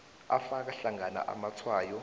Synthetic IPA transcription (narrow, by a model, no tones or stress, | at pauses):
afak̬aɬaŋana̰ʔa̰mat͡sʰwaːjɔ